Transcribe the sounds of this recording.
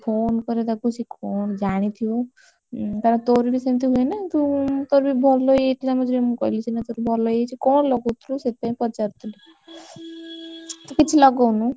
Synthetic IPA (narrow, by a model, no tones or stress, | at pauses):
pʰoːnkɔɾed̪akʰut͡ʃʰikɔɳd͡ʒaɽ̃it̪ʰiju | t̪ɐɾãt̪oɾibisent̪̬iɦuenat̪ut̪oɾbibʱɔlojeʈ̪ljamʌ̃d͡ʒʱemũkɔilit͡ʃʰinat̪oɾibʱɔlojet͡ʃʰikɔːɳlɔɡut̪ʰɾuset̪̚paĩpɔt͡ʃaɾt̪ʰili | t̪ɔkit͡ʃʰilɔɡɔnũ